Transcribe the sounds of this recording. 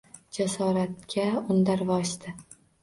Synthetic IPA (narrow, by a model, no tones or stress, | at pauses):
d͡ʒasɒɾat̪kʲʰaʊnd̪aɾvɒʃd̪ɪ